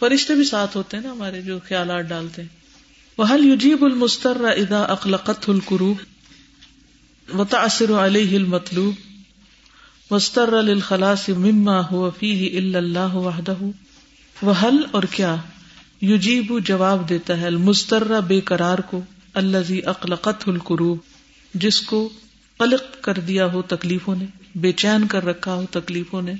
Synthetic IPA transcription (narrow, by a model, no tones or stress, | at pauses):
fɐɾɪʃt̪ebʱisaːt̪ʰɦoːt̪eɦɛ̃naɦɐmaːɾed͡ʒoːxjaːlaːt̪̚ɖaːlt̪eɦɛ̃ː | wɐɦɐljʊd͡ʒiːbʊlmʊst̪ɐrːaʔɪðaːʔɐxlɐqɐt̪ɦʊlqʊɾuːb | wɐt̪aʕsɪɾʕaleːɦɪɐlmɐt̪ˤluːb | wɐst̪ɐrːalɪlxɐlaːsɪmɪmːaːɦʊwafiːɦɪʔɪlːɐlːaːɦwɐħd̪ɐɦu | wɐɦɐlɔːɾkjaː | jʊd͡ʒiːbud͡ʒɐʋaːbd̪eːt̪aɦɛɐlmʊzt̪ɐrːabeːkɐɾaːɾko | ɐlːɐziːʔɐqlɐqɐt̪ɦʊlqʊɾuːb | d͡ʒɪsko | qɐlɪq̚kɐɾd̪ijaɦot̪ɐkliːfõnebeːt͡ʃɛːnkɐɾːɐkʰaɦot̪ɐkliːfõne